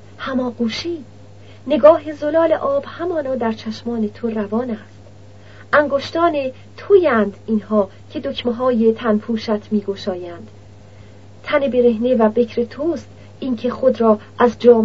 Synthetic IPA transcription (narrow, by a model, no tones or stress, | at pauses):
hæmɒːɡuːʃiː | ne̞ɡɒːɦezolɒːleʔɒːb̥hæmɒːnɒːd̪æɾt͡ʃʰæʃmɒːne̞t̪ʰoɾævɒːnæst̪ | ʔæŋɡoʃt̪ɒːne̞ | t̪ʰujænd̪iːnɦɒː | cʰe̞d̪ocʰmeɦɒːjet̪ʰænpʰuːʃæt̪ʰmiːɡoʃɒːjænd̪̥ | t̪ʰæne̞be̞ɾe̞ɦnevæbe̞kʰɾe̞t̪ʰuːst̪ | iːncʰe̞χod̪ɾɒːʔæzd͡ʒɒːm